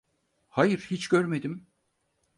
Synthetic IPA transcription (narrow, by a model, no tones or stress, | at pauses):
hajɯɾhit͡ʃɟøɾme̞d̪im